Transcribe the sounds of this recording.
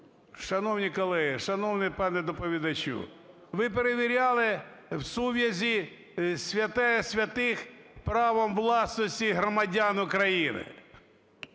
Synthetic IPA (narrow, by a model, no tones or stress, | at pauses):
ʃɐnɔwnʲikɔlˠɛɦiʃɐnɔwnɪpɑnɛd̪ɔpɔʋʲid̪ɐt͡ʃṵ | ʋɪpeɾeʋʲiɾʲɑlˠɪwsuʋʲjɐzʲi | sʲʋʲɐt̪ɛsʲʋʲɐt̪ɪxpɾɑʋɔmʋlˠɑsnɔsʲtʲiɦɾɔmɐdʲanʊkɾɐjinɪ̰